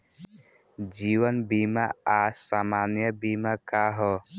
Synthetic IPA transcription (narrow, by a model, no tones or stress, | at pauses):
d͡ʒiwənbima̰asamanjəbimakaɦɔ